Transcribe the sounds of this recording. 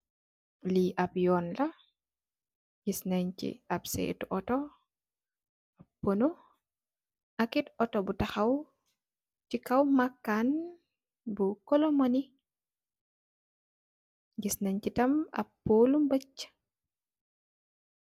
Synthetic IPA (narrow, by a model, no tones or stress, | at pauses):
liʔɐpjɔːnlɐ | ɟisnɐɲt͡ʃḭɐpsɛ̰tuʔɔtɔ | ɐpːono | ɐkitɔtɔbutɐxɐw | cikɐwmakːan | bukɔlɔmoni | ɟisnɐɲcitɐmɐ̰pːoːlumbɐcː